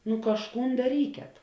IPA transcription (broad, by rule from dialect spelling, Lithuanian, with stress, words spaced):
nʊ kɐʃˈkuːn dɐˈrʲiːkʲɛt